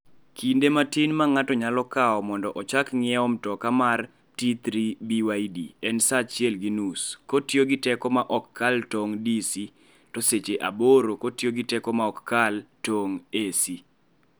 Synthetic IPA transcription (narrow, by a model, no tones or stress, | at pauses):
kindematinmaŋatɔɲalɔkaɔmɔndɔʔɔt͡ʃakŋɪɛɔmtɔkamar | tit̪ɾibiwajdḭɛnsat͡ʃjɛlɡinuskotjoɡɪtɛkɔmaʔɔkːaltoŋdisi | toset͡ʃeʔa̰boɾokotjoɡɪtɛkɔmaɔkːaltoŋesi